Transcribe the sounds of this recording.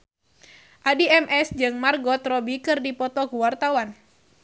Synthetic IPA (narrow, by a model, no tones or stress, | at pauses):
ʔadiɛmʔɛsd͡ʒɨŋmarɡɔt̪rɔbikɨrdipɔt̪ɔkuwart̪awan